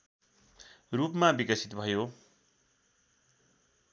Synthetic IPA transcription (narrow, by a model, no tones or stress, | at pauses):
rupmabikʌsit̪bʱʌjo